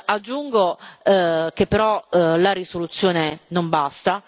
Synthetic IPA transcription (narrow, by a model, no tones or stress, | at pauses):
ad͡ʒːuŋɡo | kepːeɾɔlaɾisolut̪sːjoːnenombast̪a